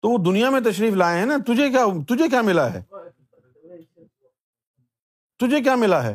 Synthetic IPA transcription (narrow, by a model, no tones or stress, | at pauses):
t̪oːʋod̪ʊnijamẽt̪̬ɐʃɾiːflaːeɦɛ̃nat̪ʊd͡ʒʱek̬jaːt̪ʊd͡ʒʱek̬ʲjaːmɪlaɦɛ̰ː | t̪ʊd͡ʒʱek̬jaːmɪlaɦɛ̰ː